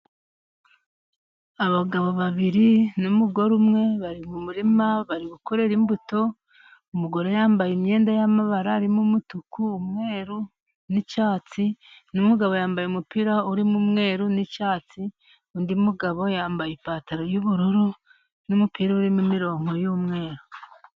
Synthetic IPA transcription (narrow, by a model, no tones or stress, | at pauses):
aβaɡaβo̞βaβiɾinumuɡo̞ɾumŋe̞βaɾimumuɾimaβaɾiɡukoɾeɾimbuto̞ | umuɡo̞ɾo̞jaːmbajimɲe̞ːndajamaβaɾaːɾimumutukuːmŋe̞ːɾu | nit͡ʃaːt͡sinumuɡaβo̞jaːmbajeumupiɾauɾimumŋe̞ːɾunit͡ʃaːt͡si | undiumuɡaβo̞jaːmbajipaːtaɾo̞juβuɾuɾu | numupiɾauɾimumiɾo̞ːŋo̞juːmŋe̞ːɾu